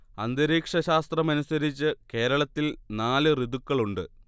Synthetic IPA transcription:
ɐnd̪ɐɾiːkʂɐɕaːst̪rɐmɐnusɐɾit͡ɕːɨke̞ːɾɐɭɐt̪ːilnaːlɨriðukːɐɭuɳɖɨ̰

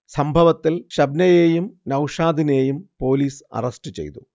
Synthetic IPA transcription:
sɐmbʱɐʋɐt̪ːilɕɐbnɐjeːjumnɐwʂaːd̪ine̞ːjumpo̞ːliːsɐ̰rɐsʈɨt͡ɕḛjt̪u

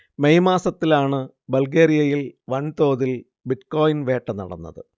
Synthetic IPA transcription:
mejmaːsɐt̪ːilaːɳɨ | bɐlɡeːɾijɐjilʋɐɳt̪o̞ːðil | biʈko̞ːjinʋe̞ːʈːɐnɐ̰ɽɐ̰nːɐ̰ðɨ

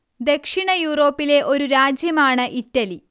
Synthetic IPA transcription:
d̪e̞kʂiɳɐjuːro̞ːpːile̞ʔo̞ɾuɾaːd͡ʑjɐmaːɳɨʔitːɐli

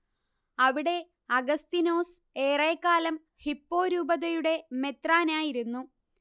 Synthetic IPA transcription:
ɐʋiɽe̞ | ɐɡɐst̪ino̞ːs | e̞ːreːkːaːlɐm | hipːo̞ːɾuːbɐðɐjuɽe̞me̞t̪raːnaːjiɾunːu

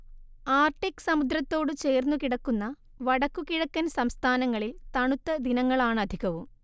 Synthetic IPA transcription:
aːrʈikːɨ̥sɐmud̪ɾɐt̪ːo̞ːɽɨt͡ɕe̞ːrnːukiɽɐkːunːɐ | ʋɐɽɐkːukiɽɐkːɐnsɐmst̪ʰaːnɐŋːɐɭilt̪ɐɳut̪ːɐd̪inɐŋːɐɭaːɳɨɐd̪ʱiɣɐʋum

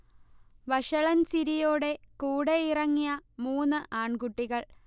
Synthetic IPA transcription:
ʋɐʂɐɭɐnsiɾijoːɽe̞kuːɽeirɐŋːijɐmuːnːɨʔaːɳkuʈːiɣɐɭ

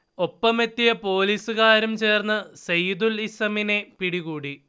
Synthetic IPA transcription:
o̞pːɐme̞t̪ːijɐpo̞ːliːsuɣaːɾumt͡ɕe̞ːrnːɐsɐjud̪ulisɐmine̞piɽiɣuːɽi

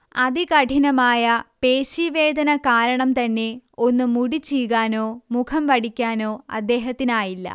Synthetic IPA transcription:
ɐðikɐʈʰinɐmaːjɐpeːɕiʋe̞ːd̪ɐnɐkaːɾɐɳɐmt̪ɐnːe̞o̞nːɨmuɽit͡ɕːijɣaːnoːmukʰɐmʋɐɽikʲːaːno̞ːɐ̰d̪ːe̞ːɦɐt̪ːinaːjilːɐ̰

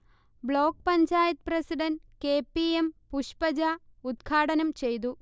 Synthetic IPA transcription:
bɭoːk̚pɐɲt͡ɕaːjɐt̪̚prɐsiɖɐnkeːpːiempuʂpɐd͡ʑaud̪ɡʰʱaːʈɐnɐmt͡ɕe̞jt̪̬u

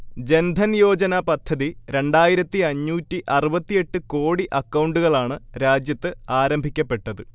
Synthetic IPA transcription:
d͡ʑe̞nd̪ʱɐnjo̞ːd͡ʑɐnɐpɐd̪ʱʰːɐðiɾe̞ɳɖaːjiɾɐt̪ːiɐɲːuːtːiʔɐrubɐt̪ːije̞ʈːɨko̞ːɽiʔɐkːɐwɳɖuɣɐɭaːɳɨɾaːd͡ʑjɐt̪ːɨaːɾɐmbʱikʲːɐpːe̞ʈːɐðɨ

